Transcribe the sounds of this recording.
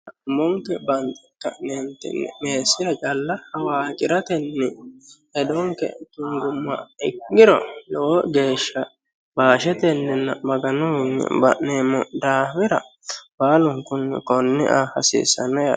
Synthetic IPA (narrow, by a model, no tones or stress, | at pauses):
ʊmɔŋkɛbɐnt̪ʼɪkːɐ̰ʔneːnt̪ɛ̰nːɛ̰meːsːɪɾɐt͡ʃʼɐlːɐhɐwaːkʼɪɾɐt̪ɛnːɛ | ɛd̪ɔŋkɛ̰kɪŋɡʊmːɐ̰ɪkːɪɾɔ̰lɔɔɡe̞ːʃːɐ | baːʃɛt̪ɛnːɛnːɐmɐɡɐnɔnːɛ̰bɐ̰ʔneːmɔd̪aːbɪɾɐ̰ | baːlʊŋkʊnːɛ̰kɔnːɪ̰ʔaːhɐsḭːsːɐnɛja